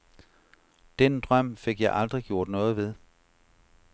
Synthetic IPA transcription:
d̥end̥ʁɶm̰fe̝ɡ̥jɑ̈ɪʔɑ̈ld̥ʁiɡ̥jo̝ɐ̰d̥nɔ̽ːð̩ˠʋe̝ð̞ˠ

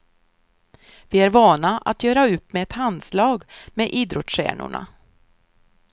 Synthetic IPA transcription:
vɪæɾvɑːnaʔa̰t̪jœːɾaɵpːmɛɛt̪ʰand̪slɑːɡmeʔiːd̪ɾɔt̪sʂæ̰ːnʊ̰ɳa̰

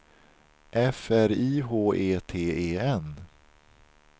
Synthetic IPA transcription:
ʔɛfæɾiːɦoːʔeːt̪ʰeːeːɛn

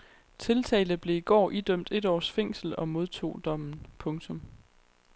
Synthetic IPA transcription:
t͡sʰe̝lt͡sʰɛ̰ːlðˠb̥le̝iɡ̥ɒ̰ːʔid̥øm̰d̥e̝d̥ɒ̰ːsfeŋ̰sl̩ɒ̽mo̝ð̞ˠt͡sʰo̝̰ːd̥ɒ̽m̰n̩pʰɔ̽ŋt͡sʰɔ̽m

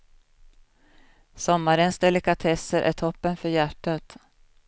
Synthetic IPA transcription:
sɔmːaɾənsd̪ɛlɪkat̪ʰɛsəɾʔæ̰ʈʰɔpːənfœɾjæʈːat̪

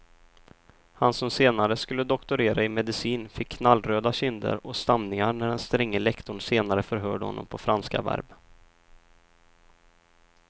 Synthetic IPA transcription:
hansɔmseːnaɾəskɵlːəd̪ɔkt̪ʊɾeːɾʔaɪmɛd̪ɪsiːnfɪkʰːnalːɾøːd̪aɕɪnd̪ə̰ɾɔst̪amnɪŋaɳæɖɛnst̪ɾɛŋːəlɛkt̪ʊɳseːnaɾəfœɾɦœ̰ːɖəhɔ̰nːɔ̰mpʰɔfɾanska̰væ̰ɾb

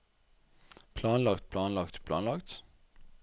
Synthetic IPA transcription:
pʰlɑːnlɑkt̪̚pʰlɑːnlɑkt̪pʰlɑ̰ːnlɑkt̪

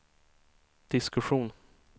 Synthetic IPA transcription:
d̪̥ɪskɵɧuːn

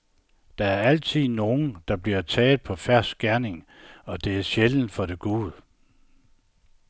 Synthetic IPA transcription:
d̥ɑ̈æɐæl̰t͡sʰið̰ˠno̝ːn̩d̥ɑ̈b̥liɐt͡sʰɛːl̩ˠpʰɒ̽fæɐ̰sɡ̥æɐne̝ŋ | ɒ̽d̥e̝æɐɕeln̩fɒ̽d̥e̝ɡ̥uːð̩ˠ

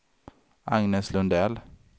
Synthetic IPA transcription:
ʔɑŋnəslʉnd̪ɛl

